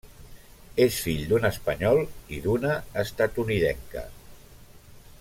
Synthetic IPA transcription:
esfiʎd̪unəspəɲɔlˠiðunəːst̪at̪uniðɛ̰ŋkə̰

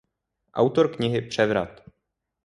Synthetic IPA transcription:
ʔa̰wt̪o̞ɾkɲɪɦɪpr̝̥ɛvɾa̰t̪

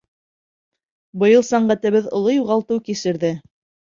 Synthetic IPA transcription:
bɤ̆jɤlˠsæɴɢæt̪ɘ̆βɘðŏ̰lˠojuʁɑlˠt̪ɤwkisɘ̆ɾðɘ

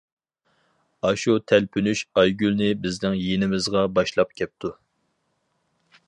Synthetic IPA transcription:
ɑʃut̪ʰɛlpʰynyʃɑjɡʲylnɪbɪznɪŋjenɪmɪzʁɑbɑʃlˠɑp̚kʲʰɛp̚t̪ʰu

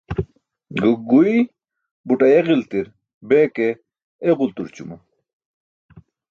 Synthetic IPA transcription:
ɡuk̚ɡui | buʈɐeɣilt̪iɾ | beːke | eʁult̪uɾt͡ɕṵmɐ

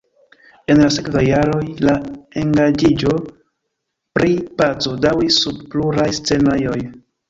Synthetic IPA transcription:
e̞nlasekvajːaɾo̞jlae̞ŋɡad͡ʒid͡ʒo̞ | pɾipat͡so̞dawisːubpluɾajst͡se̞najo̞j

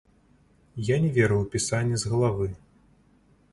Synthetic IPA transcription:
janʲɛvʲɛɾɨwpʲisanʲːizɣɐlˠavɨ

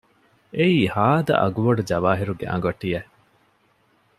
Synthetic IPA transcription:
eiːhaːd̪ɐ̰ʔɐ̰ɡuʋɐɖud͡ʒɐʋaːɦiɾuɡḛʔɐ̰̃ŋɡɐʈːije

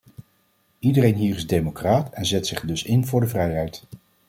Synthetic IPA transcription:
idərejnɦiːɹɪzdejmokraːtɛnzɛtsɪχdɵsɪnvʊːɹdəvrɛjɛjt

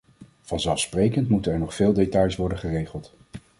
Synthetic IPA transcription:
v̥ɑnzɛlˠfsprejkəntmutənɛɹnɔχfɪːlˠdetɑjsʋɔɹdənχərejχəlˠt

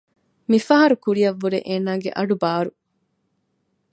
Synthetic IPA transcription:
mifɐɦɐɾukuɾijɐʋːuɾeʔeːnaːɡḛʔɐɖubaːɾu

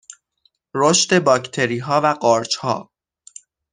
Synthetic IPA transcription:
ɾoʃt̪e̞bɒːcʰt̪ʰe̞ɾiːɦɒːvæɢɒːɾt͡ʃhɒ̰ː

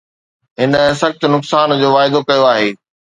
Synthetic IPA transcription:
ɦɪnɦsɐxt̪ʊnʊksaːnd͡ʑoːʋaːɪd̪okɐjoaːɦeː

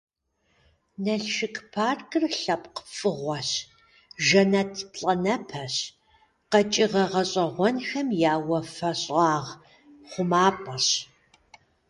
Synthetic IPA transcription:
nɐɬʃɨkʰʼpʰaːrkʼɨrɬɐpʼqə̥fʼɨʁʷɔɕ | ʒɐnɐtʰpɬʼɐnɐpʰɐɕ | qɐt͡ʃʼɪʁɐʁɐɕʼɐʁʷɔnxɐmjaːwɐfɐɕʼɑːʁ | χʷʊmaːpʼɐɕ

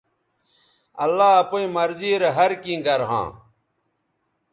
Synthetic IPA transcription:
ɐ̰lːaːɐpoĩmɐɾziːɾeɦɐɾkĩɡɐɾɦã̰ː

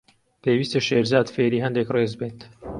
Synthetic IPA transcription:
pʰeːwiːst̪ɐʃeːɾzaːd̪feːɾiːɦɐnd̪ekreːzbeːt̪

